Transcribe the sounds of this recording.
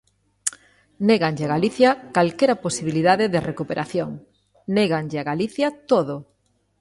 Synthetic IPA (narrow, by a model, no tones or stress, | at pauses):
neɣaɲʎeɪaɣaliθjɐkalkɛɾɐposiβiliðaðeðerekupeɾʔaθjoŋ | neɣaŋʎɪaɣaliθjɐt̪oðo